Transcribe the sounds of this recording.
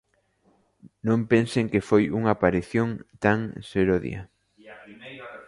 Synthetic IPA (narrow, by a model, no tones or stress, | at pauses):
nõmpẽnseŋkefojuŋapaɾiθjõŋt̪aŋseɾoðḭɐ̰